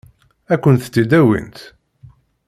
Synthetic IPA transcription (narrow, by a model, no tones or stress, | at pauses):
ækʷːənt̪t͡s̪ːid̪æwḭnt̪